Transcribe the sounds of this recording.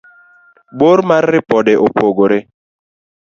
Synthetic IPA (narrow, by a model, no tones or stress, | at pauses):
boɾmaɾːɪpɔdɛʔopʰoɡoɾɪ